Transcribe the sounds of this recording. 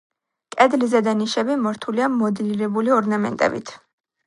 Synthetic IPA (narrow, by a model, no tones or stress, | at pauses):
kʼɛd̪lizɛd̪aniʃɛbimɔɾt̪ʰuliamɔd̪liɾɛbuliɔɾnamɛ̰nt̪ʼɛ̰bḭt̪ʰ